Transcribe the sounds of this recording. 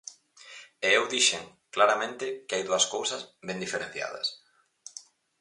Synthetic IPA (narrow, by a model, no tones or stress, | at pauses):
eewðiʃeŋ | klaɾamẽnt̪ɪkɪajðuɐskowsɐzβend̪ifeɾẽn̟θja̰ð̞ɐ̰s